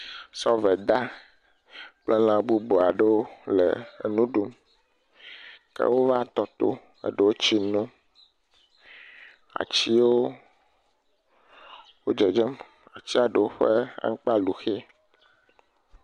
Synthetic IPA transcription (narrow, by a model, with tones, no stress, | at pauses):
sɔ˦vɛ˨d̪a˦ | k͡ple˦lã˨bu˦bo˨a˨ɖe˦wo˦lḛ˨nũ˦ɖu˦m | kɛ̰˦wo˦va˦t̪ɔ˦t̪o̰˦ | ḛ˦ɖe˨wo˦t͡ɕi˦nũ˦ | a̰˨t͡ɕi˦wo˦ | wo˦d͡ʒɛ˨d͡ʒɛ˦m | a˨t͡ɕi˦a˨ɖe˨wo˦ɸe˦a̰˦ŋ̩˦k͡pa˦lu˨xe˦